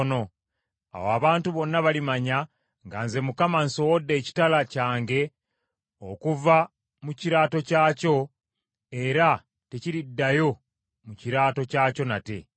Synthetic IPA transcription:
no̞ | a̰woaβaːntuβo̞nːaβalimaɲa | ŋɡanze̞mukamanso̞wodːe̞ːci̥talacaːŋɡe̞ | okuva | muciɾaːto̞caːco̞ | e̞ɾa | te̞ciɾidːajo̞ | muciɾaːto̞caːco̞nate̞

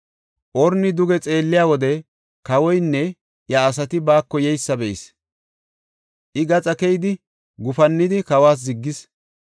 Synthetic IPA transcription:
ʔɔɾnɪd̪ʊɡɛt͡sʼe̞ːlːɪjaːwɔd̪ɛ | kɐwɔjnːɛ | jaːs̬ɐt̪ɪbaːkːɔjɛjsːɐbɛʔɪs | ʔɪɡɐt͡sʼɐkɛjd̪ɪ | ɡʊfɐnːɪd̪ɪkɐwaːs̬zɪɡːɪs

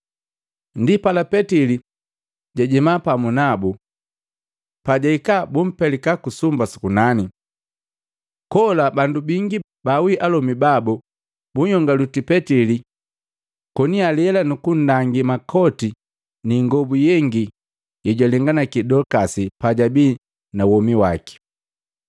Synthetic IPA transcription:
ndipalapɛtili | ɟaɟimapamunabu | paɟaikabum̩pɛlikakusumbasu̥kunani | kɔlabandubiŋɡi | bawiʔalɔmibabu | buɲhɔŋɡalutipɛtili | kɔnialɛlanukun̩daŋɡimakʰɔti | niŋɡɔbujɛŋɡi | jɛɟalɛŋɡanakidɔkasipaɟabiː | nawɔmiwaki̥

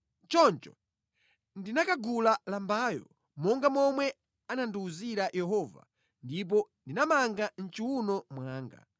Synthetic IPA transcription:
t͡ʃɔnt͡ʃɔ̥ | ndinakaɡulalambaːjɔ̰ | mɔŋɡamɔmwɛ | ananduːziɾajʔɛɦɔːva̰ | ndip̬ɔndinamaŋɡan̩t͡ʃiwunɔmwaːŋɡa̰

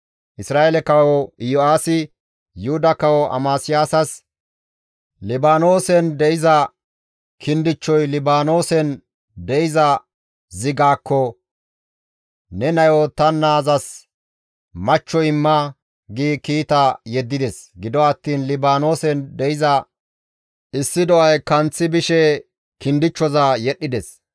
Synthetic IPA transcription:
ʔɪsɾaːelɛkɐwɔɪjɔaːsɪ | jʊhʊd̪ɐkɐwɔʔɐ̰maːsɪjaːsɐs | lɪbaːno̞ːsɛnd̪ɛɪzɐ | kʰɪnd̪ɪt͡ʃːɔjlɪbaːno̞ːsɛn | d̪ɛɪzɐ | zɪɡaːkːɔ | nɛnɐjɔt̪ɐnːaːzɐs | mɐt͡ʃːɔjɪmːɐ | ɡiːkiːt̪ɐjɛd̪ːɪd̪ɛsɡɪd̪ɔɐt̪ːiːnlɪbaːno̞ːsɛnd̪ɛjɪzɐ | ʔɪsːɪd̪ɔʔɐjkɐnt͡sːɪbɪʃɛ | kɪnd̪ɪt͡ʃːɔzɐjɛɗːɪd̪ɛs

